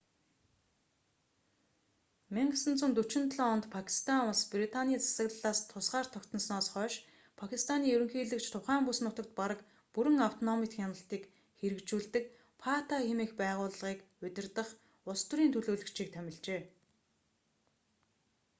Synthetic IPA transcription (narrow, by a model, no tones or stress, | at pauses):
meŋɡsɘ̆nt͡sŭnt̪ɵt͡ɕɪ̆nt̪ɮɔɔnt̪pʰakʰi̥st̪ʰanʊɮsprit̪ʰanʲiːt͡sʰḁsə̆ɣɮɮaːst̪ʰʊsɢaːr̥t̪ʰɔkt̪ʰɞ̆nsnɔːsχœːʃ | pʰakʰist̪ʰaniːɵɾɵ̆ŋxiːɮɘ̆kt͡ɕt̪ʰʊχæːmpusnʊt̪ə̆k̚t̪̚paɾə̆k | puɾɘ̆ŋaw̥t̪ʰɔnɔmit̪xʲjanə̆ɬt̪iːk | xeɾɘ̆kt͡ɕuːɮt̪ɘ̆k | pʰat̪ʰaxemiːxpæːʁʊːɮʁiːk | ɵt̪ʲɪ̆rt̪ə̆χ | ʊst̪uɾiːnt̪ʰɵɮoːɮɵ̆kt͡ɕʰiːk̚t̪ʰæmʲɪ̆ɮt͡ɕeː